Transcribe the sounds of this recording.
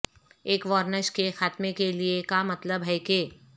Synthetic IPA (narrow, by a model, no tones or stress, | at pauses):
eːkʋɔːɾnəʃkexaːt̪mekeliekamɐt̪ləbɦɛːkeː